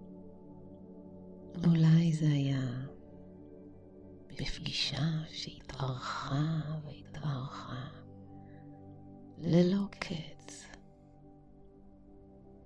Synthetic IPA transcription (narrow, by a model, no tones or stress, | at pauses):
ulajzehaja | b̥ifɡiʃaʃehitʔaʁχavehitaʁχa | lelo̞kkʰet͡s